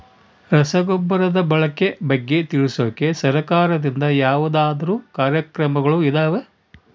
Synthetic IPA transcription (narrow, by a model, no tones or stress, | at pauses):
ɾɐsɐɡɔbːɐɾɐd̪ɐbɐɭɐkːe̞bɐɡːe̞t̪iɭisoːke̞sɐɾɐkaːɾɐd̪ind̪ɐjaːʋud̪aːd̪ɐɾuːkaːɾjɐkɾɐmɐɡɐɭuid̪aːʋe